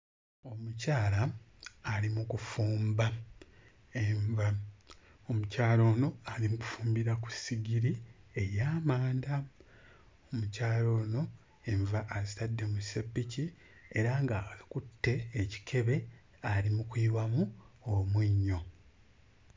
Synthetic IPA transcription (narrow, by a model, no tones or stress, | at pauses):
o̞mucaːlaː | limukufuːmba | eɱva | omucaːlo̞ːno̞alimuku̥fuːmbiɾaku̥siɡiɾiejaːmaːnda | omucaːlo̞ːno̞ | e̞ɱvaʔːzitadːe̞musepːici | e̞ɾaŋɡakutːe̞ːci̥kʰe̞βe̞ | alimukwiːwamuomwiɲːo̞